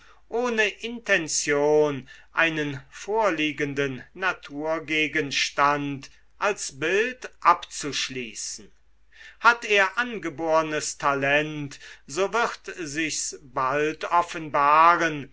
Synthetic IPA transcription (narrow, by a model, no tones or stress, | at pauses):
ʔoːnəʔɪntɛnt͡sjoːnʔaɪnənfoːɐliːɡəndənːatʰuːɐɡeːɡənʃtant | ʔalsbɪltʔapt͡suʃliːsn̩ | hateːɐʔanɡəboːʁənəstʰalɛntz̥oːvɪʁtzɪçsbaltɔfənbaːʁən